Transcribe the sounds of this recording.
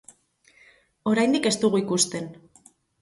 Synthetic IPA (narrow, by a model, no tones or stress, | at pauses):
o̞ɾajnd̪ike̞st̪uɣuikust̪e̞n